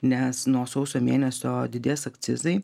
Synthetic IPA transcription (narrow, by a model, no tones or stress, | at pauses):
nʲɛsnuɔsɒʊsʲoːmʲeːnʲɛsʲoːd̪ʲɪd̪ʲeːsɐkt̪sʲɪ̰zɐɪ